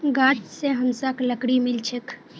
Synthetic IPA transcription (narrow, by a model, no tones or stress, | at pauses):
ɡaːt̪seɦɐmsakləkɽimɪlt͡ʃʰək